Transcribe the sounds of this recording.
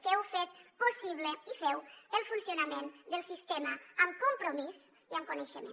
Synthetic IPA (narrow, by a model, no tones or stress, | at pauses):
fɛwfɛt̪̚posiβləifɛwəlˠfunsiunamend̪əlˠsist̪eməːmkumpɾumis | iəmkuneʃəmḛ̃